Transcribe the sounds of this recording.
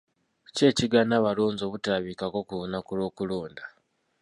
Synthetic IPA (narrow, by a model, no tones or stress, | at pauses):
ce̞ːciɡanaβaloːnzo̞βutaβikako̞kuonakulo̞ːkuloːnda